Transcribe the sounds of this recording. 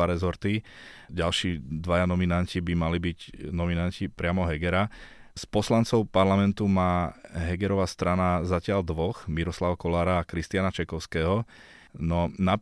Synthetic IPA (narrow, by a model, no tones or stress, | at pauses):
aɾɛzɔɾt̪i | ɟalʃiːd̪ʋajanɔminancibimalibiɟnɔminancipɾɪamɔɦɛɡɛɾa | spɔslant͡sɔʊpaɾlamɛnt̪umaːɦɛɡɛɾɔʋast̪ɾanazacɪald̪ʋɔxmiɾɔslaʋakɔlaːɾaːkɾist̪ɪanat͡ʃɛkɔʊskɛːɦɔ | nɔna